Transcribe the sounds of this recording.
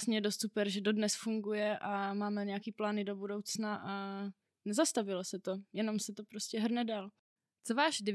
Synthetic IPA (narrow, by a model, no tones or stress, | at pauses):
sɲɛjɛdo̞st̪supɛɾʒɛdo̞dnɛsfuŋɡujɛʔamaːmɛɲɛjakiːplaːnɪdo̞budowt͡snaʔa | nɛzast̪avɪlosɛt̪o̞jɛno̞msɛt̪o̞pɾoscɛɦr̩nɛdaːl | t͡sovaːʃd